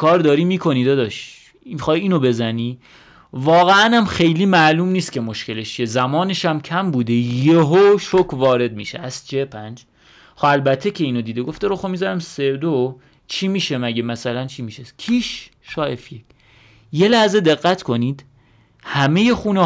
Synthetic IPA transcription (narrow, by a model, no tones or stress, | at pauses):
kʰɒːɾd̪ɒːɾiːmiːkʰo̞niːd̪ɒd̪ɒʃ | mixɒːjiːnobe̞zæniː | vɒːɣeænæmxe̞jliːmæʔluːmniːst̪kʲcʰe̞mo̞ʃcʰe̞leʃt͡ʃʰiezæmɒːneʃæmcʰæmbuːd̪ejeɦoʃokʰvɒːɾe̞d̪̚miʃḛʔæst͡ʃʰepʰænd͡ʒ | xoælbæt̪ʰːecʰe̞iːnod̪iːd̪eɡoft̪eɾoxomizæɾæmseɾd̪o | t͡ʃʰimiːʃemæɟemæsælænt͡ʃʰiːmiːʃekʰiːʃ | ʃɒːefjekʰ | je̞læhze̞d̪e̞ɣːæt̪ʰkʰo̞niːd̪̥ | hæme̞je̞xuːne